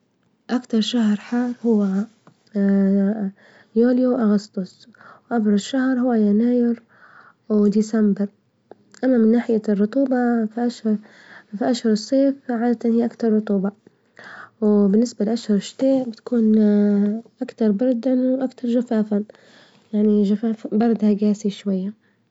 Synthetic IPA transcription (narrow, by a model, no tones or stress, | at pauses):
ʔakt̪ɑɾˤʃahɾˤħɑːɾˤhʊwːa | juːljawʔaɣɑst̪ˤʊsˤ | wʔabɾˤɑʃahɾˤhʊwːajanaːjɪɾ | wd̪iːsambɪɾ | ʔamːamɪnːaːħɪjarˤːʊt̪ˤuːbɑʔaʃ | fiʔaʃhʊɾˤɨsˤːeːfʕaːd̪at̪ɪnhijːaʔakt̪ɑɾˤːʊt̪ˤuːbɑ | wbɪnːɪsbalɪʔaʃhʊɾˤʃt̪eːʕbɪt̪ḁkuːn | ʔakt̪ɑɾˤbɑɾˤd̪awʔakt̪ɑɾˤʒafaːfa | jaʕniʒafaːfbɑɾˤd̪haɡaːsiʃwajːa